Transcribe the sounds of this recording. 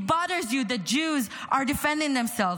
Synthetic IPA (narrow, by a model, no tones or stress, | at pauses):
bɑðə˞zjɨðɨt̚d͡ʒʉzʔə˞dɨfɛ̃ndɪ̃ŋðɨ̃msɛlˠv